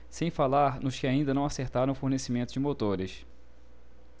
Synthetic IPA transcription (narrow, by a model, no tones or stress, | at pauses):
sẽj̃falaɾnʊʃkɪaĩnd̪ɐnɐ̃w̃aseɾt̪aɾɐ̃w̃ʊfoɾnesimẽnt̪ʊd͡ʒɪmot̪oɾɪʃ